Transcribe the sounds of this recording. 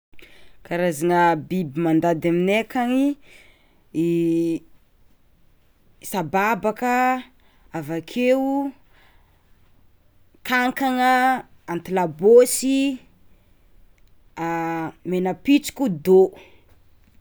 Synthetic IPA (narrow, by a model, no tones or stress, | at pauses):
kaɾazaŋəbibimand̪ad̪aminekaŋi | sababakə | avakʰeu | kaŋkaŋəant̪ilabosi | amenəpit͡si̥kʲud̪o